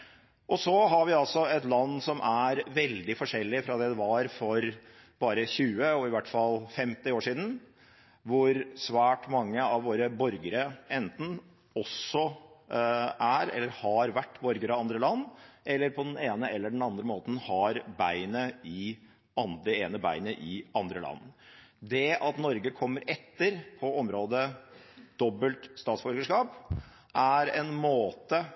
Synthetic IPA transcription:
ʔɔsɔɦɑɾʋɪɑlsɔɛt̪lɑnːsɔmʔæɾʋɛld̪ɪfɔʂɛlːɪfɾɑd̪ɛːd̪ɛʋɑɾfɔɾ | b̥ɑːɾəçʉːəɔɪʋæʈːfɑlfɛmt̪ɪoːʂiːd̪n̩ | ʋʊɾsʋæːʈmɑŋːəɑʋʋoːɾəbɔɾɡəɾəʔɛnt̪n̩ | ɔsɔ | ʔæɾɛ̰lːəɾhɑɾʋæʈːbɔɾɡəɾɑʋɑnd̪ɾəlɑnːɛlːəɾpʰɔd̪ɛneːnəɛlːəɖɛn̩ɑnd̪ɾəmoːt̪n̩hɑɾbæɪnəɪ | ɑnd̪ɛeːnəbæ̰ɪnəʔɪʔɑnd̪ɾəlɑ̰nːd̪ɛʔɑt̪nɔɾɡəkʰɔmːəɾɛt̪ːəɾpʰɔɔmɾoːd̪ə | d̪̥ɔbəlt̪st̪ɑːt̪sbɔɾɡəʂkɑːp | ʔæɾɛnmoːt̪ə

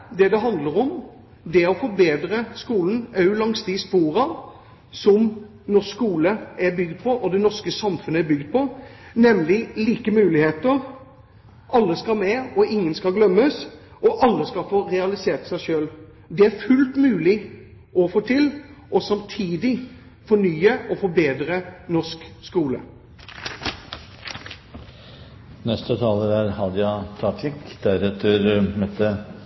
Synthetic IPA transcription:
d̪ɛd̪ɛɦɑnd̪ləɾɔm | d̪ɛɔfɔbeːd̪ɾəskuːln̩ɑʉlɑŋst̪ɪspuːɾɑ | sɔm | nɔkuːləæbʏɡd̪̚pʰɔʔɔd̪ɛnɔʁskəsɑmfʉnəæɾbʏɡd̪̚pʰɔnɛmlɪliːkəmʉːlɪheːt̪əɾ | ʔɑlːəskɑlmɛɔɪŋːənskɑlɡlœmːəsɔʔɑlːəskɑfoːɾɛɑlɪseːʁt̪sæɪʃøːl | d̪ɛæɾfʉlt̪mʉːlɪ | ɔfoːt̪ʰɪlʔɔsɑmt̪ʰiːd̪ɪ | fɔnyːəʔɔfɔbeːd̪ɾənɔʁʂkskuːlə̰ | nɛst̪ət̪ʰɑːləɾæɾhɑd̪jɑt̪ʰɑt̪ʰɪkd̪æɾɛt̪ʰəɾmɛt̪ːə

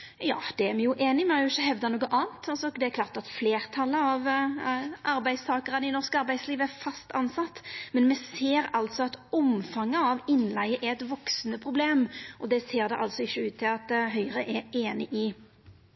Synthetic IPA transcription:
jɑ̰ːd̪̥ɛæɾmɛjʊʔeːnɪmɛhɑɾjʊɪçːəɦɛʋd̪ɑnoːɡəʔɑːnt̪ʰːɑlsɔd̪ɛɛɾklɑːʁt̪ɑt̪fleːʁt̪ʰɑlːəɑʋ | ʔɑɾbæɪst̪ʰɑːkəʁənɪnɔʁskɑɾbæɪsliːʋəæɾfɑst̪ʰɑnsɑt̪ːmɛnmɛseːɾɑlt̪sɔɑt̪ɔmfɑŋːəɑʋɪnːlæɪəʔæɛt̪ʋɔksnəpʰʁʊbleːmʔɔd̪ɛseːʁd̪ɛʔɑlt̪sɔɪçːəʉːt̪ʰːɪlɑt̪ɦœʏɾəʔɛeːnɪʔɪ

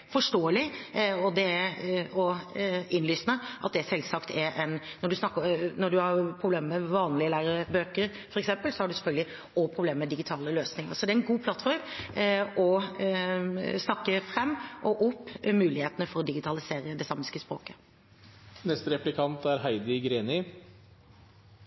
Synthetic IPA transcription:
fɔʂʈoːəlɪɔd̪ɛæɔɪnlyːsnəʔɑ̰t̪̚d̪ɛæsɛlsɑkt̪ʰɛɾʔɛnnɔɖʉsnɑkːənɔɖʉhɑɾpʰɾʊbleːməmɛʋɑːnlɪəlæːɾəɾəbøːkəɾ | fɔɾɛksɛmpəlsɔhɑɖʉsɛfœlɡ̪lɪ | ɔpʰɾʊbleːməmɛd̪ɪɡɪt̪ʰɑːləløːsnɪŋə̰ɾsɔd̪ɛɾɛnɡuːpʰlɑt̪fɔɾm | ɔ | snɑkːəfɾɛmːʔɔʔʊpːmʉːlɪheːt̪ənəfɔɾɔd̪ɪɡɪt̪ʰɑlɪseːɾəd̪ɛsɑmɪskəspɾo̰ːkə̥ | nɛst̪əɾɛplɪkʰɑnt̪æɾɦæɪd̪ɪɡɾeːnɪ

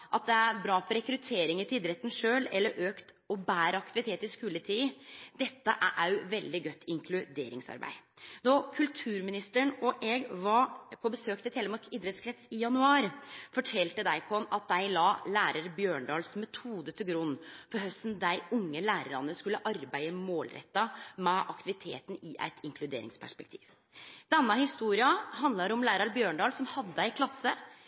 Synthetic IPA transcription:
ʔɑt̪̚d̪ɛæɾbɾɑːfɔɾɛkɾʉt̪ʰeːɾɪŋəɾt̪ʰɪiːd̪ɾɛt̪ːn̩ʂøːlɛlːəɾʔøːkt̪ | ɔbæːɾəɑkt̪ɪʋɪt̪ʰeːt̪ɪskʉːlət̪ʰiːd̪ɛt̪ːə̰ʔæ̰ʔæɾjʊʋɛld̪ɪɡœt̪ːɪŋkʰlʉd̪eːɾɪ̰ŋsɑ̰ɾbæ̰ɪnɔkʰʉlt̪ʰʉːɾmɪnɪst̪əɳɔʔɛɡʋɑpʰɔbəsøːk̚t̪ʰɪlt̪ʰɛləmɑkid̪ɾɛt̪skʰɾɛt̪sɪjɑnʉɑːɾfɔʈʰɛlt̪əd̪æɪkʰɔnːɑt̪̚d̪æɪlɑːlæːɾɑɾbjøːɳɖɑːlsmɛt̪ʰuːd̪ət̪ʰɪlɡɾʉnːfɔɾɦœst̪nd̪æɪʊŋːəlæːɾəɾɑnːəskʉlːəʔɑɾbæɪəmoːlɾɛ̰t̪ːɑmɛʔɑkt̪ɪʋɪt̪ʰḛːt̪n̩ɪʔæ̰ɪt̪ʰɪŋkʰlʉd̪ḛːɾɪ̰ŋspʰæ̰ʂpɛk̚t̪ʰḭːʋ | d̪̥ɛnːɑhɪst̪uːɾɪɑhɑnd̪lɑɾɔmlæːɾɑɾbjøːɳɖɑːlsɔmhɑd̪ːəæɪkʰlɑsːə

